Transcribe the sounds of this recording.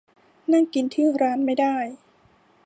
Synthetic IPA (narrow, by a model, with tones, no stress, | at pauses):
na˥˩ŋki˧nt̪ʰɯː˥˩ɾaː˦˥nma˥˩jdaː˥˩j